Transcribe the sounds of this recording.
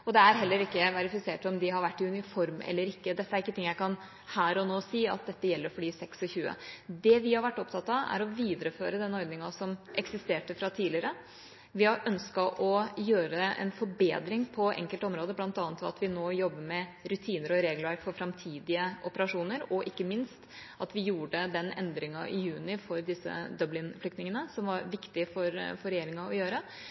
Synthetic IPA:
ɔd̪ɛæɾɦɛlːəɾɪkːəʋɑɾɪfɪseːʈɔmd̪ɪɦɑɾʋæʈːɪʉnɪfɔɾmɛ̰lːəɾɪkːəd̪ɛt̪ːəæɾɪkːət̪ʰɪŋːjæɪkʰɑn | hæːɾɔnoːsiːɑ̰t̪̚d̪ɛt̪ːəjɛlːəɾfɔɖiːsɛksɔçʉːə̰d̪ɛʋɪhɑɾʋæʈːɔpt̪ʰɑt̪ːɑæ̰ɾɔʋiːd̪əɾəføːɾəd̪ɛnːɔɾɡ̪nɪŋɑsɔmʔɛksɪst̪eːʈəfɾɑt̪ʰiːlɪəɾə | ʋɪɑɾʔœnskɑʔɔjøːɾəɛ̰nfɔɾbḛːd̪ɾɪŋpʰɔʔɛ̰ŋkəlt̪ɔmɾoːd̪əblɑnt̪ɑːnt̪ʰɑ̰t̪ʋɪnoːjɔbːəɾmɛɾʉt̪ʰiːnəɾɔɾeːɡləfɔɾfɾɑmt̪ʰiːd̪ɪəʔɔpəɾɑʂuːnəɾɔʔɪkːəmɪnst̪ʔɑt̪ʋɪjuːɖəd̪ɛnɛnd̪ɾɪŋɑʔɪ̰jʉːnɪfɔɾd̪ɪsːə̰d̪œblɪnflʏkt̪nɪŋənəsɔmʋɑɾʋɪkt̪ɪfɔɾfɔɾɛjeːɾɪŋɑɔjøːɾə

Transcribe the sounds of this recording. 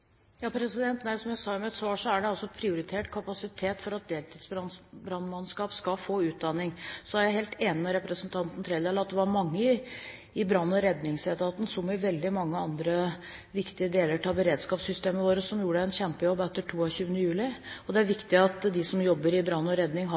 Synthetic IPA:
jɑːpʰɾɛsɪd̪ɛnt̪næɪsɔmjæɪsɑːmɛɛt̪sʋɑːʂɔæɖɛɑlsɔpʰɾɪʊɾɪt̪ʰeːʈkʰɑpɑsɪt̪ʰeːt̪fɔɾɑt̪̚d̪eːlt̪ʰiːd̪sbɾɑnbɾɑnmɑnskɑːpskɑfoːʉːt̪̚d̪ɑnːɪŋsɔæɾjæɪheːlt̪ʰeːnɪmɛɾɛpɾəsənt̪ʰɑnt̪n̩t̪ʰɾeːd̪eːlɑt̪̚d̪ɛʋɑɾmɑŋːəɪ | ɪbɾɑnːɔɾɛd̪nɪŋsɛt̪ʰɑːt̪n̩sɔmɪʋɛld̪ɪmɑŋːəɑnd̪ɾə | ʋɪkt̪ɪəd̪eːləʈʰɑbəɾeːd̪skɑːpsʏst̪eːməʋoːɾəsɔmjuːəɖɛɛnɕɛmpəjɔbːɛt̪ːəʈʰuːɑɕʉːʋənəjʉːlɪɔd̪ɛæɾʋɪkt̪ɪɑt̪d̪ɪsɔmjɔbːəɾɪbɾɑnːɔɾɛd̪nɪŋɦ

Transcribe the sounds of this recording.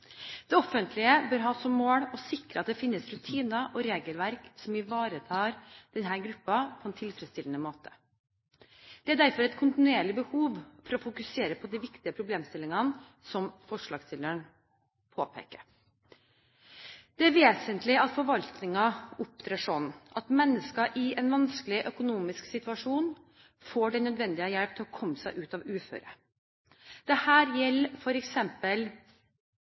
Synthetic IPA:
d̪̥ɛɔfːənt̪ʰlɪəbøːɾɦɑːsɔmːoːɽɔsɪkɾəɑt̪̚d̪ɛfɪnːəsɾʉt̪ʰiːnɑʔɔɾeːɡəlʋæɾksɔmɪʋɑːɾət̪ʰɑːɾd̪̥ɛnɦæːɾɡɾʉpːɑpʰɔɛnt̪ʰɪlfɾɛst̪ɪlənəmoːt̪ʰə̥ | d̪̥ɛæɖ̪æɾfɔɾɛt̪kʰʊnt̪ɪnʉeːɭɪbəhuːʋfɔɾɔfʊkʉseːɾəpʰɔd̪æɪʋɪkt̪ɪəpʰɾʊbleːmst̪ɪlːɪŋɑn | sɔmfɔʂɭɑːɡsɪləɳ | pʰoːpʰḛːkəɾ | d̪̥ɛæɾʋeːsənt̪lɪɑt̪fɔɾʋɑlt̪nɪŋɑʊp̚t̪ʰɾeːʂɔnʔɑt̪mɛnːəskɑʔɪɛnʋɑnsklɪʔœkʊnuːmɪsksɪt̪ʉɑʂuːn | foːɖɛnœd̪ʋɛnd̪ɪəjɛɽp̚t̪ʰɪlɔkʰɔmːəsæɪʔʉːt̪ɑʋʉːfø̰ːɾə | d̪̥ɛhæːɾjɛlːfɔɾɛksɛmpəl

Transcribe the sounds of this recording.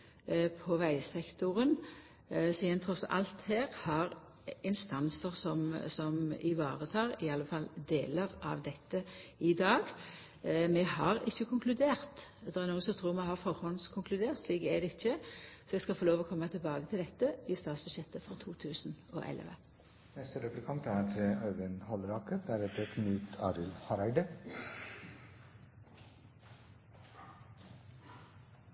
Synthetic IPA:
pʰɔʋæɪsɛkt̪ʊʁən | siːd̪ənt̪ʰɾɔsɑ̰lt̪hæːʁhɑʁ | ɪnst̪ɑnsəʁsɔmsɔmɪ̰ʋɑːʁət̪ʰɑːɾɪɑlːəfɑld̪eːləʁɑ̰ʋd̪ɛt̪ːəɪd̪ɑːɡ | mɛhɑʁɪçːəkʰʊŋklʉd̪eːʁt̪d̪ɛɛɾnuːənsɔt̪ʰɾuːɾmɛhɑʁfɔɾhɔnskʰʊŋkʰlʉd̪eːʁt̪sliːkɛd̪ɛɪçːəsɔɛɡskɑlfoːloːʋɔkʰɔmːət̪ʰɪlbɑːɡət̪ʰɪld̪ɛt̪ːəʋɪst̪ɑːt̪sbʉd̪ʃjɛt̪ːəfɔʁt̪ʰuːt̪ʰʉːsno̰ːʔɛ̰lʋə̰ | nɛst̪əɾəkəɾkʰɑmt̪æːɾt̪ʰɾeʔɑʉʋənhɔlɾɑːkəɾd̪æɾɛt̪ʰːəkʰnʉːt̪ʰɑ̰ːɾɪlhɑɾæɪd̪ə

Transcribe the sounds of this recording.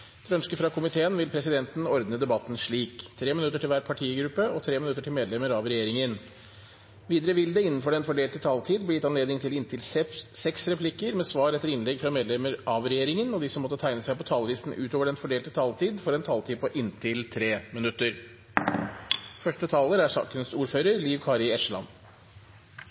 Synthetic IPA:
d̪̥ʰɛœnskəfɾɑkʰʊmɪt̪ʰeːənʋɪlpʰɾɛsɪd̪ɛnt̪n̩ɔɾd̪nəd̪ɛbɑt̪ːn̩ʂɭiːkt̪ʰɾeːmɪnʉt̪ːəʈɪlʋæːʈpʰɑʈʰiːɡɾʉpːəɔt̪ʰɾeːmɪnʉt̪ːəʈʰɪlmeːd̪lɛməɾɑʋɾɛjeːɾɪŋən | ʋiːd̪əɾəʋɪld̪ɛɪnːn̩fɔɖɛnfɔɖeːlt̪ət̪ʰɑlt̪ʰiːd̪̚bliːɛt̪ɑnleːd̪nɪŋt̪ʰɪlɪnt̪ʰɪlsɛsɛksɾɛpʰlɪkːəɾmɛːsʋɑːɾɛt̪ːəɾɪnlɛɡfɾɑmeːd̪lɛməɾʔɑʋɾɛjeːɾɪŋənɔd̪ɪsɔmːɔt̪ːət̪ʰæɪnəsæɪpɔt̪ʰɑːlʋiːsn̩ʉːt̪oːʋəɖɛnfɔɖeːlt̪ət̪ʰɑːlt̪ʰiːd̪fɔɾɛnt̪ʰɑːlt̪ʰiːd̪pɔʔɪnt̪ʰɪlt̪ʰɾeːmɪnʉt̪ːəɾ | fœʂʈət̪ʰɑːləɾæʂɑ̰ːkənsuːɾføːɾəɾliːʋkʰɑːɾɪɛʂəlɑ̰n

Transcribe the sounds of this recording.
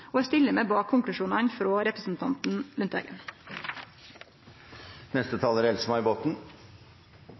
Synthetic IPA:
oːæst̪ɪləmeːbɑːkʰːʊŋklʉʃuːnɑɳfɾoːɾɛpɾəsn̩t̪ʰɑnt̪n̩lʉnt̪æ̰ːɡə̰n | nɛst̪ət̪ʰɑːləɾɛlsmɑɪɪboːt̪n̩

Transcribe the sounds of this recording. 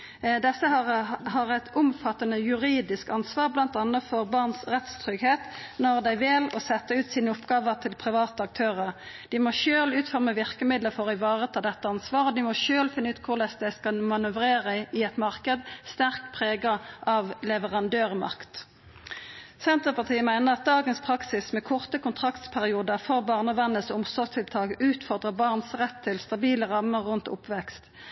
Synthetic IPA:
d̪ɛsːəhɑʁɛt̪ʊmfɑt̪ːənəjʉʁiːd̪ɪskɑnsʋɑːʁblɑnt̪ɑnːəfɔʁbɑʁnsʁɛt̪st̪ʰʁʏɡheːt̪ | nɔʁd̪æɪʋɪlɔsɛt̪ːəʉːt̪siːnəʊpɡɑːʋəʁt̪ʰɪlpʰʁɪʋɑːt̪əɑk̚t̪ʰøːʁəʁd̪̥ɪmoːʃøːlʉːt̪fœʁməʋɪʁkəmɪd̪ləfɔʁɪʋɑːʁət̪ʰɪld̪ɛt̪ːəɑnsʋɑːʁod̪ɪmɔʃøːlfɪnːəʉːt̪kʰʊʁlɛsd̪æɪskɑlmɑnʉʋʁeːʁəʔɪɛt̪mɑʁkəd̪st̪æʁkpʰʁeːɡɑʔɑʋlɛʋəʁɑnd̪øːʁmɑ̰ʁkt̪ | sɛnt̪əʁpɑʁt̪ʰiːəmæɪnəʁɑt̪̚d̪ɑːɡənspʰʁɑksɪsmɛːkʰɔʁt̪əkʊnt̪ʰʁɑkt̪spʰæʁɪuːd̪əʁfɔʁbɑːʁnəʋɛnːəsʊmsɔʁst̪ʰɪlt̪ʰɑːkʔʉːt̪fɔʁd̪ʁəbɑʁnsʁɛt̪ʰːɪlst̪ɑbiːləʁɑməʁʁːʉnt̪ʊ̰pʰʋɛkst̪

